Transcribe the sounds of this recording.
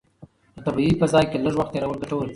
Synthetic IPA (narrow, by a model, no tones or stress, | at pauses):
d̪̥ət̪abiipəzɑjkeləʐwaxt̪ːeɾawəlɡaʈowl